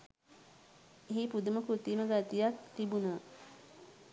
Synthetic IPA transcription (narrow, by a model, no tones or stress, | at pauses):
eɦipud̪uməkɾut̪iməɡat̪ijakt̪ibunə